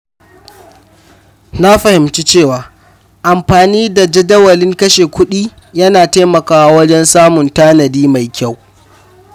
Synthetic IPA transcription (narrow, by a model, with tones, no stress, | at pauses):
na˦ɸɐ˨hɪ˨mt͡ʃi˦t͡ʃeː˦˨waː˨ | ʔa˨mɸaː˨niː˦da˨d͡ʒɐ˦dɐ˦wɐ˨lɪ˦ŋkɐ˦ʃeː˨kʷʰʊ˦ɗiː˦ | jɐ˦naː˨ta˦mɐ˨kaː˦wa˦wɐ˦d͡ʒɛ˦nsaː˦mʊ˨ntaː˦nɐ˨diː˦ma˨jkʲa˦˨w